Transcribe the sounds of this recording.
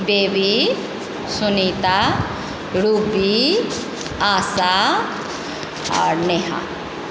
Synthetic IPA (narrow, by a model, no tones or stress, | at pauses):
beːʋi | sunit̪a | ɾubi | aːsa | a̰ɾneɦa̰